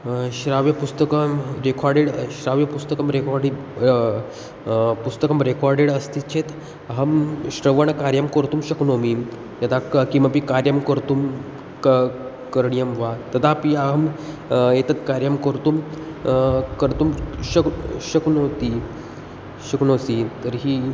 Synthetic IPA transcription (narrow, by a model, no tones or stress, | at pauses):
ɕɾaʋjəpust̪əkəmɾekʰaɾɖeɽɕɾaʋjɐpust̪əkəmɾekɔɾɖ | pust̪əkəmɾekʰɔɾɖeɽəst̪ʰit͡ɕʰet̪ | əɦəmɕɾəʋəɳ̃kaɾjəmkəɾt̪uːmɕəknomi | jat̪akĩʋapikaɾjəmkəɾt̪uːm | k | kəɾɳijəmʋat̪ɐd̪apiaɦəm | jet̪ət̪kaɾjəmkəɾt̪um | kəɾt̪umɕəkɕəknot̪i | ɕəknosit̪əɾɦiː